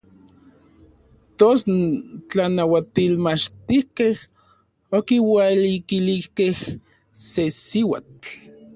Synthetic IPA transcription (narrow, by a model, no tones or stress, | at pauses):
t̪ost͡ɬanawat̪ilmat͡ʃt̪ihkeh | okiwalikilihkeh | sesiwa̰t͡ɬ